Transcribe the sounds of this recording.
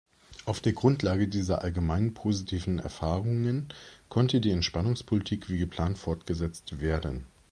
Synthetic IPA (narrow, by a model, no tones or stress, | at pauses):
ʔaʊfd̥eːɐɡʁʊntlaːɡədiːzɐʔalɡəmaɪnpʰoːzitʰiːvn̩ɛ̰ɐfaːʁʊŋənkʰɔntədiːɛntʃpanʊŋspʰolitʰiːkv̥iːɡəpʰl̥aːntfɔɐtɡ̥əzɛt͡stv̥eːɐdən